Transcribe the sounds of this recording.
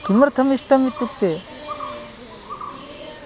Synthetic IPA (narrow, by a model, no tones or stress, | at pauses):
kiməɾt̪ʰɐmiʂʈɐmit̪ːuk̚t̪e